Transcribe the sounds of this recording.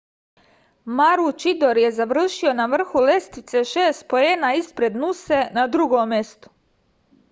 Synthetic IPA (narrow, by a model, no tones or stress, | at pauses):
maɾut͡ʃid̪o̞ɾje̞zaʋr̩ʃio̞naʋr̩xule̞st̪it̪se̞ʃe̞ːst̪̚po̞jenaispɾe̞d̪nuse̞nad̪ɾuɡomje̞st̪o̥